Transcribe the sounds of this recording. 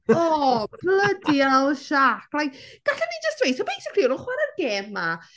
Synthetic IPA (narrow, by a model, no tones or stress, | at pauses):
ɔːb̥lədiawʃaklajkɡ̥aɬɛnid͡ʒəstwejtʰɔbejsəkʰriɔlɔχwaɾərɡeːmːa